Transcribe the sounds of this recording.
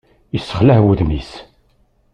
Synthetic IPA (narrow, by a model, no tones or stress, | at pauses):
əsːə̥χlæhwəðmis